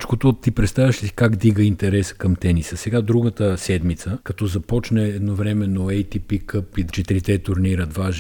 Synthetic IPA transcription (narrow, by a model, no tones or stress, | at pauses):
t͡ʃkot̪ot̪ipɾɛt̪st̪avʲɛʃisi̥kaɡd̪iɡəint̪ɛɾɛsə̥kɐmt̪ɛnisəsɛɡad̪ɾuɡət̪əsɛd̪mit̪səkɐt̪ɔzɐpɔt͡ʃnɛːd̪novɾɛmɛnoɛjt̪ipikɤpit͡ʃɛt̪ɾit̪ɛt̪ʊɾniɾət̪vaʒ